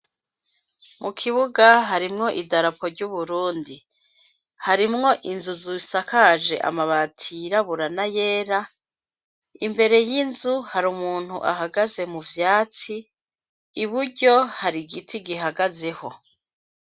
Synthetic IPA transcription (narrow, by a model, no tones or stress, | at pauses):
mʔukʰiβuɡaɦaɾimŋo̞ʔidaɾapo̞ɾɟuβuɾuːndi | haɾimŋo̞ʔinzuzusakaʒe̞ʔa̰maβatʰiɾaβuɾanaje̞ːɾa | imbe̞ɾe̞jinzuhaɾumuːn̥hṵʔa̰ɦaɡaze̞muvjaːt͡siː | βuɾɟo̞haɾiɡitʰiɡiɦaɡaze̞ho̞